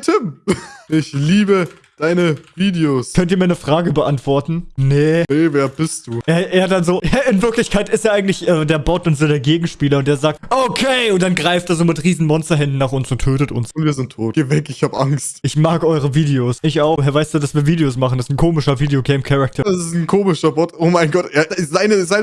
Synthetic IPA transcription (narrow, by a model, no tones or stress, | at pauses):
tʰɪmʔɪçliːbə | d̥aɪnəviːdeoːskʰœntiɐmiːɐnəfʁ̥aːɡəbəʔantv̥ɔɐtn̩nəneveːɐbɪst̚d̥uːaːʔeːɐdanzoːjaɪnvɪɐklɪçkʰaɪtɪsteːɐʔaɪŋ̩tlɪçʔɛːdeːɐbɔtʊntz̥oːdeːɐɡeːɡŋ̩ʃpiːlɐʊnteːɐzaːk̚tʔokʰeɪʊnt̚d̥anɡʁaɪfteːɐzoːmɪtʁiːzn̩mɔnstɐɦɛndn̩nːaːχʊnsʊntʰːøːtətʊ̰nsʊntv̥iːɐzɪntʰːoːtɡ̥eːvɛkɪçhaːbəʔaŋstʔɪçmaːkʔɔʏʁ̞əviːdeoːsɪçaʊxhɛɐvaɪstd̥uːdasv̥iːɐviːdeoːsmaχn̩ɛsn̩kʰoːmɪʃɐviːdeoɡeɪmkʰɛʁak̚tʰɐ̥asɪsn̩kʰoːmɪʃɐbɔtʔoːmaɪnɡɔteːɐzaɪnəzaɪnə